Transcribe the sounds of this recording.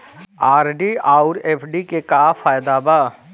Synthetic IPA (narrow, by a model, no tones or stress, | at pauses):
aːɾɖiaːʊɾeːpʰɖikekaːfaːjd̪aːbaː